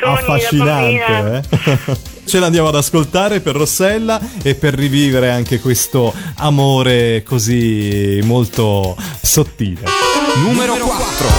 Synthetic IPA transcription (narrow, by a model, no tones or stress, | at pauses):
afːaʃːinant̪eɛ | t͡ʃeland̪jaːmoad̪askolt̪aːɾeperːosːɛlːaepːerːiviːveɾeaŋk̟ekwest̪oamoːɾekozimolt̪osot̪ːiːlenumeɾoɾo